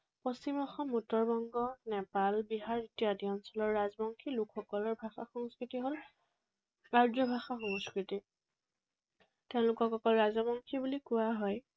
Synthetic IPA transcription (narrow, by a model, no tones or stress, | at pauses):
pɔsimɔxɔmutːɔɹbɔŋɡɔnɛpalbiɦaɹitijadiɔnsɔlɔɹːazbɔŋkʰilukʰxɔkɔlɔɹbʱaxa̰xɔŋskɹitiɦol | kaɹdɔbʱaxaxɔŋskɹiti | teʊ̃lʊkɔkɔkɔlɹazɔbɔŋkʰibulikʊwaɦɔj